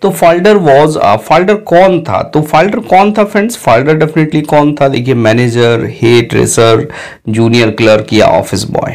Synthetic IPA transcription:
t̪oːfaːlɖəɾʋɔːzə̰faːlɖəɾkɔːnt̪ʰa̰t̪oːfaːlɖəɾkɔːnt̪ʰafɛ̃ɳɖsfaːlɖəɾɖɛfɪneʈlikɔːnt̪ʰaleːkʰiemɛːneːd͡ʒəɾheːʈɾḛːsəɾ | d͡ʒuːnijəɾkləɾkija̰ɔ̰ːfɪsbɔ̰ːj

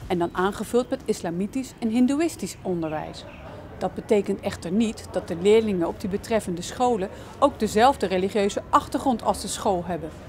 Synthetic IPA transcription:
ɛndɑnʔaːnχəvɵlˠtmɛtɪslaːmitisɛnɦɪnduɪstisɔndəɹʋɛ̰js | d̥ɑd̚bətejkəntɛχtəɹnitd̥ɑt̚dəlɪːɹlɪŋənɔb̚dibətrɛfəndəsχowlə | owɡ̚dəzɛlˠvdəreliχjøɥzəʔɑχtəɹχrɔntʰɑ̰lˠzdəsχolˠɦɛbən

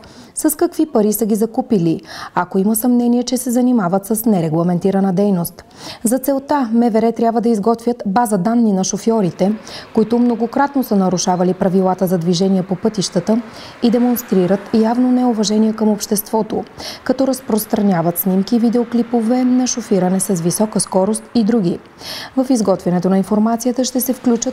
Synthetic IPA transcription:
sɐskɐkvipɐɾisəɡʲizɐkupiliakoiməsɐmnɛniɛt͡ʃɛsɛzɐnimavət̪sɐsnɛɾɛɡlˠɐmɛnt̪iɾənəd̪ɛjnost̪ | zɐt̪sɛlˠt̪amɛvɛɾɛt̪ɾʲjabvəd̪ɐizɡɔt̪vʲjət̪bazəd̪anːinɐʃofjɔɾit̪ɛkoit̪ʊmnoɡokɾat̪nosənɐɾuʃavɐlipɾɐvilˠat̪əzɐd̪viʒɛniɛpopɤt̪iʃt̪ət̪ə | id̪ɛmonst̪ɾiɾət̪javnonɛovɐʒɛniɛkəmopʃt̪ɛst̪vɔt̪okɐt̪ɔɾɐspɾost̪ɾɐnʲavət̪snimkivid̪ɛoklipovɛnɐʃofiɾənɛsɐzvisɔkəskɔɾost̪id̪ɾuɡ̟i | vəfizɡɔt̪vʲɐnɛt̪onɐinfoɾmat̪sijət̪əʃt̪ɛsɛfklʲut͡ʃət̪

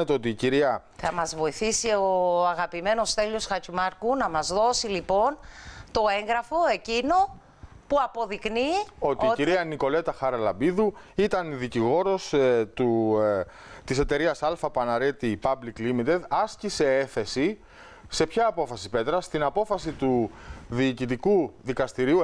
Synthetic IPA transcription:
et̪eo̞t̪iːciɾiɐ | θɐmɐzvo̞iθisioɐɣɐpime̞no̞st̪e̞ʎo̞sxɐt͡ʃimɐɾkunɐmɐzðo̞silipo̞nt̪o̞e̞ŋɣɾɐfo̞e̞cino̞ | puɐpo̞ðiknio̞t̪iciɾiɐniko̞le̞t̪ɐxɐɾɐlɐbiðuit̪ɐniðiciɣo̞ɾo̞st̪u | t̪ise̞t̪e̞ɾiɐsɐlfɐpɐnɐɾe̞t̪ipɐbliklimit̪ed̪ɐscise̞eθe̞si | se̞pçɐːpo̞fɐsipe̞t̪ɾɐst̪inɐpo̞fɐsit̪uðiːcit̪̬ikuðikɐst̪iɾiu

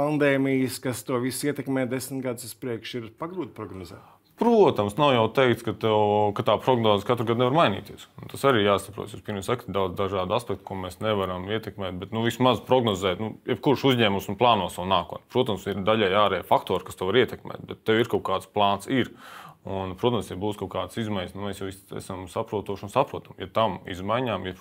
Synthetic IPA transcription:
and̪eːmijəskast̪uɔʋisiɛt̪ɛkmɛːd̪esm̩t̪ɡad̪suspɾiɛkʃiɾpaɡɾuːt̪ʲpɾɔɡnɔzɛ̰ː | pɾuɔt̪ɐmsnawjawt̪ɛɪkt̪skat̪ɛwkat̪aːpɾoɡnoːzkat̪ɾɡad̪nɛʋvaɾmajnḭːt̪iɛsunt̪asaɾiːjaːsɐpɾṵt̪sjuspiɾmʲisakt̪d̪awd̪zd̪aʒaːd̪aspɛk̚t̪kuɔmɛːsnɛʋaɾɐmiɛt̪ɛkmɛːt̪̚bɛt̪nuʋismazpɾɔɡnɔzɛːt̪nujɛbkuɾʃuzɲɛːmusunplˠɑːnuɔsawnaːkṵɔːt̪nʲpɾuɔt̪ɐmsiɾd̪aʎʲajaːɾɛːfakt̪oːɾkḁst̪ɛwaɾiɛt̪ɛkmɛ̰ːt̪bɛt̪ːɛwiɾkaʊkaːd̪splˠɑːnt̪siɾunpɾuɔt̪ɐmst̪ɛbuːskawkaːd̪sizmajɲʲsnumɛːsjawisɛ̰samsapɾuɔt̪uɔʃunsapɾuɔt̪ɐmja̰t̪amḭzmajɲaːmja

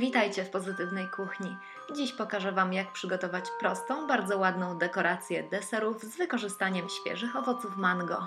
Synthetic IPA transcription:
vʲit̪ajt͡ɕɛfpɔzɘt̪ɘvnɛjkuxɲi | d͡ʑiɕpɔkaʐɛvamjak̚pʂɘɡɔt̪ɔvat͡ɕpɾɔst̪ɔ̃w̃baɾd̪zɔwad̪nɔ̃w̃d̪ɛkɔɾat̪sʲjɛd̪ɛsɛɾuvzvɘkɔʐɘst̪aɲɛmɕfʲjɛ̰ʐɘxɔvɔt̪sufmanɡɔ̰

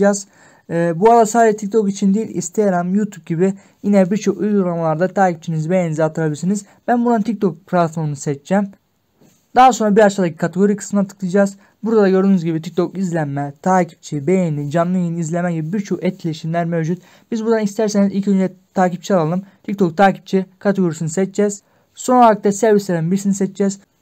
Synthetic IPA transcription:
az̥ː | bualˠasaːɛt̪ʰic̚t̪ʰo̞kit͡ʃʰind̪ijilʲḭst̪ʰejaɾamjut̪ʰup̚ɟibi | jinɛbiɾt͡ʃʰo̞kujɡuɾˠamlˠaɾd̪at̪ʰaːcip̚t͡ʃʰinizbejenizɛat̪ʰɯɾabʲiɾsiniz | b̥ænbund̪ant̪ʰic̚k̚t̪ʰo̞k̚pʰɾat̪foɾnɯsɛt͡ʃt͡ʃːæːm | d̪̥aɦaso̞nɾabiɾat͡ʃt̪ʰad̪aci̥kʰat̪ʰeɡo̞ɾikʰɯ̥smɯnat̪ʰɯ̥klˠɯd͡ʒaːz | buɾd̪ad̪aɟøɾd̪ynyzɟibit̪ʰic̚t̪ʰo̞kizlʲænmɛt̪ʰaːcʰi̥p̚t͡ʃʰibejenid͡ʒanlˠɯjeniizlʲemɛɟibibiɾt͡ʃʰo̞kɛt̪̚cʰʲlʲeiʃimlʲæɾmevd͡ʒut̪ | bizbund̪anist̪ʰæɾseizilʲcʰiynɛt̪ʰaːcip̚t͡ʃʰialˠalˠɯmt̪ʰic̚t̪ʰo̞k̚t̪ʰaːcʰi̥p̚t͡ʃʰikʰat̪ʰeɡo̞ɾisinizsɛt͡ʃ̚t͡ʃɛz̥ | so̞naɯkt̪ːɛsɛɾviselinbiɾsinisɛt͡ʃd͡ʒɛz̥

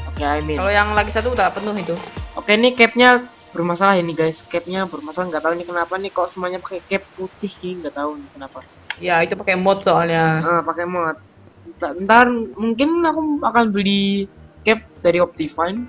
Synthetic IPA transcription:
okeamɪkalojaŋlaɡisat̪uut̪apənʊɦit̪uokenɪkɛp̚ɲa | bərmasalahiniɡaɪskɛp̚ɲabərmasalahŋɡaʔt̪aunikənapanikaloʔsəmuaɲapakɛkɛpːut̪ɪhkiŋɡaʔt̪aunɪkənapa | jait̪upakemɔt̪̚soalɲaəʔəpakɛmɔt̪̚ | t̪ant̪armuŋkɪnakuakanbəlikɛp̚daɾiɔp̚t̪ifain

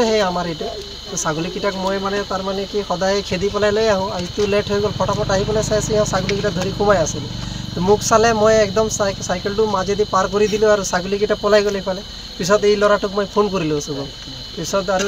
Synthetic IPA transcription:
eɦeamaɾejʈe | t̪usaɡulikiʈakmɔjmanɛt̪aɾmanekixɔd̪ajekʰed̪ipɔlajlɔjaɦũait̪uleʈʰɦojɡɔlpʰɔʈapʰɔʈaɦipɔlajsajsiɦãsaɡulikiʈad̪ʱɔɾikʰubajasilut̪umukʰsalemɔjekd̪ɔmssajkelʈumad͡ʒed̪ipaɾkɔɾid̪ilũaɾusaɡulikiʈapɔlajɡɔlepʰale | pisɔd̪ejlɔɾaʈukmɔjpʰonk̬ɔɾilusuɡɔl | pisɔd̪aɾu

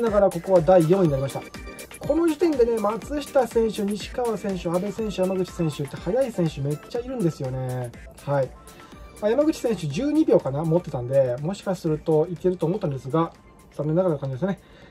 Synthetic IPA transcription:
naɡaɾako̞ko̞βad̪aijõɲ̟inaɾʲimaɕit̪a | kʰo̞no̞ʑit̪ẽ̞nd̪e̞ne̞mat͡sɨɕi̥t̪asẽ̞ɰ̃ɕɨɲ̟iɕi̥kaβasẽ̞ɰ̃ɕɨabe̞sẽ̞ɰ̃ɕɨjamaɡɯ̟t͡ɕi̥sẽ̞ɰ̃ɕɨt̪ːe̞hajaisẽɰ̃ɕɨme̞t͡ɕːaiɾɯ̟̃nd̪e̞sɨjo̞ne̞ | hai | majamaɡɯ̟t͡ɕi̥sẽ̞ɰ̃ɕɨd͡ʑɨːɲ̟ibʲo̞ːkanamo̞t̪ːe̞t̪ãnd̪e̞mo̞ɕi̥kasɨɾɯ̟t̪o̞ike̞ɾɯ̟t̪oːmo̞t̪ːãnd̪e̞sɨɡa | z̥amːe̞nːaɣaɾkãɲd͡ʑid̪esne

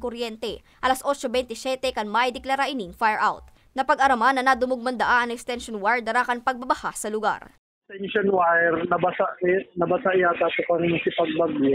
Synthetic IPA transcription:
koɾjɛnt̪ɛ | ʔɐlasʔo̞t͡ʃobɛjnt̪ɪsɛt̪ɛkɐŋmajd̪ɛklɐɾaʔɪniŋfajɹʔawt̪̚ | nɐpɐɡʔɐɾɐmanːɐnɐd̪ʊmʊɡ̚mɐnd̪ɐʔaʔɐŋɛkst̪ɛnʃonwaɹd̪ɐɾaːkɐnpɐɡ̚bɐbɐhasɐlʊɡa̰ɾɛ | t̪ɛnʃonwajɾnɐbɐsanɐbɐsaʔɪaːt̪ɐt̪okɐŋɪɲsɪpɐɡ̚bɐɡj

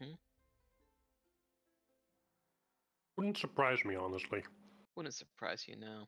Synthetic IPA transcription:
m̥m̩ | wʊdⁿn̩tsəpʰɹ̥aɪzmiɑnəstˡliwʊdⁿn̩tsəpʰɹ̥a̰ɪz̥jɨ̰naʊ

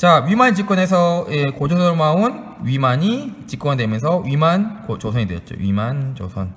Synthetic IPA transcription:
t͡ɕaɥimaɲd͡ʑik͈wʌne̞s̬ʰʌekod͡ʑʰʌsʌɭmaun | ɥimaɲit͡ɕik͈ʌndwemjʌns̬ʰʌɥimankot͡ɕosʰʌɲidwejʌt̚t͡ɕ͈o̰wɥḭmant͡ɕo̰sʰʌn

